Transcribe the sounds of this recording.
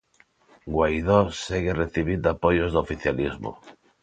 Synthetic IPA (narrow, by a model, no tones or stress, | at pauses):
ɡwajðoseɣereθiβ̞ind̪apojozðofiθjalizmo̰